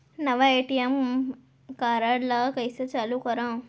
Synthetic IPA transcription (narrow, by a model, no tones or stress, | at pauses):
nɐʋɐeːʈijɐm | kaːɾaːɽlakɐjset͡ʃalukɔɾã